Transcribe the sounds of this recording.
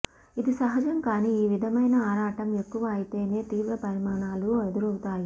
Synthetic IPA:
id̪isɐɦɐd͡ʒɐŋkaːniiːʋid̪ʱɐmɐjnɐaːɾaːʈɐme̞kːuʋɐːjit̪e̞ːne̞ːt̪iːʋɾɐpɐɾimaːɳaːlued̪uɾɐwt̪aːji

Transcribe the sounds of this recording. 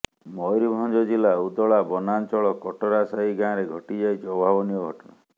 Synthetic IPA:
mɔjɾibʱɔŋd͡ʒɔd͡ʒilaud̪ɔɭabɔnant͡ʃɔɭɔkɔʈɔɾasaɦiɡãːɾeɡʱɔʈid͡ʒajd͡ʒɔbʱabɔniɔɡʱɔʈɔna

